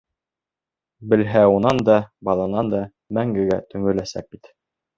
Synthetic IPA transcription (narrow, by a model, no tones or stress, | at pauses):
bɘ̆lɦæunɑnd̪ɑbɑlˠɑnɑnd̪ɑ | mæŋɡɘ̆ɡæt̪ɵ̆ŋɘ̆læsæ̰k̚bit̪